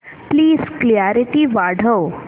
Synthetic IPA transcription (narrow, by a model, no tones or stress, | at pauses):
pliːzkljaɾiʈiʋaɽ̤ʱəw